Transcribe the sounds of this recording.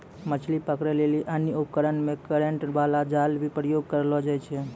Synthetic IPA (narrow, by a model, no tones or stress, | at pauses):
mət͡ʃʰlipəkɾeleliʔənjəupəkəɾənmẽkəɾeɳʈʋalad͡ʒalbʱipɾəjoɡ̚kəɾlɔd͡ʒajt͡ʃʰɛ